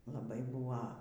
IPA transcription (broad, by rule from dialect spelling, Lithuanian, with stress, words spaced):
lˠɐˈbɐɪ ˈbuːʋɐ